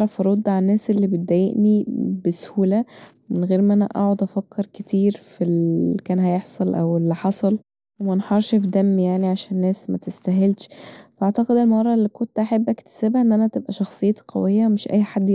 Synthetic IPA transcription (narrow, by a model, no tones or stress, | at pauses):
ɾˤɑfɑɾˤod̪ːʕanːæːsʔelːibet̪̚d̪æjḛʔnibæshuːlæ | menɣeːɾmʔænæ̰ʔɑ̰ʕod̪ʔæfækʰːeɾˤket̪ʰiːɾfilikæːnɦæjeħsˤɑlʔæ̰welːiħɑsˤɑl | wemænħɑɾˤʃfd̪æmːijaʕniʕaʃæːnːæːsmæt̪est̪æɦelt̪ʃfæʔaʕt̪ɑqed̪ʔenːmhɑrˤːɑʔlːiːkont̪ʔaħabːʔækt̪æ̥sæːbhæʔenːʔænæt̪ebʔæʃɑxsˤejːt̪qɑ̰wejːæmeʃʔæ̰jːħad̪ː